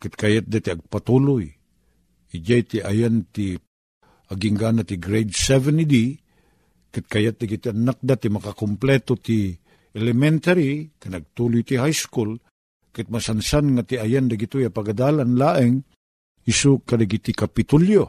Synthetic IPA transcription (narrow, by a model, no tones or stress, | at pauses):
kɪt̪̚kajat̪̚d̪at̪iɐɡ̚pat̪ulʊj | ɪd͡ʒajt̪iʔajant̪i | ʔaɡiŋɡanat̪iɡɾejd̪sɛvɛnid̪i | kɪt̪̚kajat̪̚d̪aɡit̪ianak̚d̪at̪imakakomplɛt̪ot̪i | ʔɛlɛmɛnt̪aɾikanɐɡ̚t̪ulʊjt̪iɦajskul | kɨt̪̚masansanŋat̪iajand̪aɡit̪ojapaɡad̪aːlanlaʔɪŋ | ɪsukad̪aɡit̪ikapɪt̪uljo